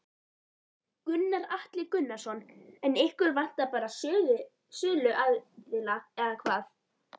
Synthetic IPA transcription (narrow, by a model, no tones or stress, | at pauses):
kʏnːaɾaht̪lɪkʏnːasɔnɛnehkʏɾvan̥t̪apaːɾa | sʏːlʏʔaðt̪lɪnaɛðakʰvaːθ